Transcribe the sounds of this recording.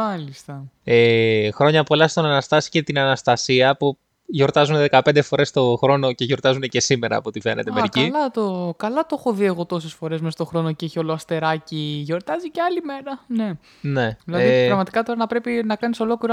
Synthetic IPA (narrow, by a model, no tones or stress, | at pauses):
mɐlist̪ɐexɾo̞ɲɐpuoelɐst̪o̞nɐnɐst̪ɐsi̥ce̞t̪inɐnɐst̪ɐsiɐpu | ʝo̞ɾt̪ɐzunðe̞kɐpnd̪e̞fo̞ɾe̞st̪o̞xɾo̞no̞ce̞ʝo̞ɾt̪ɐzunece̞sime̞ɾɐ̰ːpot̪ife̞ne̞t̪emmeɾicilɐt̪okɐlɐt̪oxoðie̞ɣo̞t̪o̞sesfo̞ɾe̞zmest̪o̞xɾo̞noceeçio̞loɐst̪e̞ɾɐciʝo̞ɾt̪ɐziceɐlime̞ɾɐne̞ | ne̞ðilɐipɾɐɣmɐt̪i̥kɐt̪o̞ɾɐnɐpɾe̞pinɐkɐniso̞lo̞kliɾɐ